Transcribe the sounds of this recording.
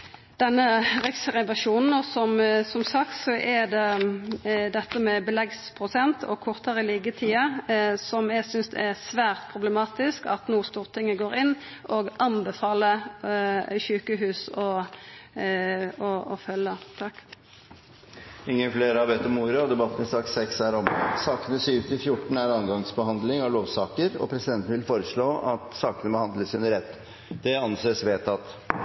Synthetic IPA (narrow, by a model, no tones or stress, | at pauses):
d̪̥ɛnːəɾɪksəʁɛʋɑʂuːnn̩ɔsɔmsɔmsɑkt̪sɔʔæd̪ɛ | d̪ɛt̪ːəmɛbəlɛɡspʰʁʊsɛnt̪ʰɔ̰kʰɔʁt̪əɾəliːɡət̪ʰiːɑsɔmjæɡsʏnsd̪ɛæsʋæːʁt̪pʰʁʊbləmɑːt̪ɪskɑ̰t̪nuːst̪uːʁt̪ʰɪŋːəɡoːɾɪnː | ʔɔɡʔɑnbɛfɑːlə | çʉːkəɦʉːsɔ | ɔɔfœlːət̪ʰɑkː | ɪŋːənfleːɾəhɑɾbeːt̪ɔmuːɾɑɔd̪ɛbɑt̪ːənɪsd̪ɑːksɛksæɾɔmsɑːkənəsyːʋt̪ʰɪlfjʊʈːɳ̩æɾɑnɡɑŋsbəhɑnd̪lɪŋɑʋloːʋsɑːkəɾɔ̰pʰɾɛsɪd̪ɛnt̪ən̩ʋɪlfoːɾəʂɭoːʔɑt̪sɑːkənəbəhɑnd̪ləsʉnəɾɛt̪ː | d̪̥ɛɑnseːsʋeːt̪ʰɑt̪